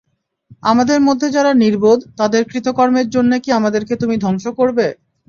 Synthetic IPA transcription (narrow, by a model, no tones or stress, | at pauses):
amad̪eɾmod̪ʱːed͡ʑaɾaniɾbod̪t̪ad̪eɾkɾit̪okɔɾmeɾd͡ʑonːekiamad̪eɾket̪umid̪ʱɔŋʃokoɾbe